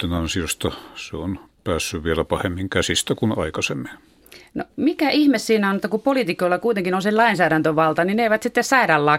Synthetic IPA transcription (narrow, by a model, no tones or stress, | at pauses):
t̪ːenɑnsiost̪ɑseonpæːsːyʋʋielæpɑhemːiŋkæsist̪ækunɑ̰ikɑsemːin | no̰mikæʔihmessiːnæonĕt̪ːɑkupolit̪ikoilːɑkuit̪eŋkinonsellɑinsæːɾænt̪øʋʋɑlt̪ɑnineiʋæt̪sit̪ːessɑiɾɑlːɑː